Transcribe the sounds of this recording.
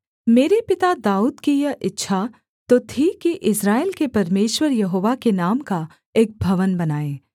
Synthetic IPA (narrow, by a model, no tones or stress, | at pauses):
meːɾepɪt̪ad̪aːuːd̪kijɐʔɪtːʃʰa | t̪ot̪ʰikiʔɪsɾaːelkepɐɾmeːʃwəɾjɐɦoːʋakenaːmka | eːk̚bʱɐʋənbɐnaːeː